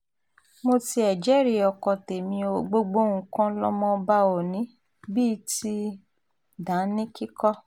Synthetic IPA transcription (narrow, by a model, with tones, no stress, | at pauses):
mo˧ti˧ɛ˨d͡ʒɛ˨˦ɾi˧˨ɔ˨kɔ˨te˨mĩ˧o˧ɡ͡bo˧ɡ͡bo˦˨ŋũ˨˧kã˦lɔ˦mɔ̃˧ba˦o˨nĩ˨˦ | bi˦ti˦ | dã˨˦nĩ˦ki˦kɔ˦